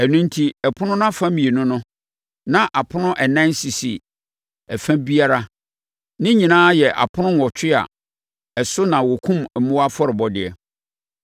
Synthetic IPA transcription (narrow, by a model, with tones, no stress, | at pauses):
æ˨nũ˦n˦tʰi˦ɛ˨pʰʊ˦nʊ̃˦ñ˦a˦fã˦mĩ˨e˨nʊ̃˦nʊ̃˦ | nã˦ʔa˨pʰʊ˦nʊ̃˦ʔɛ˨nã˦n˦si˨sḭ˨ | ɛ˨fæ̃˦bi˦a˦ɾa˦ | nɪ̃˦ɲĩ˨nãː˦jɛ˨ʔa̰˨pʰʊ˦nʊ̃˦ŋ˨ɔ˨t͡ɕʰᶣɪ˦a̰˨ | ɛ˨sʊ˦nã˨wɔ˨kʰũ˦m˨mũ˦wa˦fɔ˦ɾɪ˨bɔ˨dɪ˨ɛ̰˨